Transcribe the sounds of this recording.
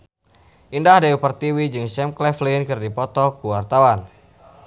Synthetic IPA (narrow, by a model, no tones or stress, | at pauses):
ʔindahdaupərt̪iwid͡ʒɨŋsɛmklɛflinkɨrdipɔt̪ɔkuwart̪awan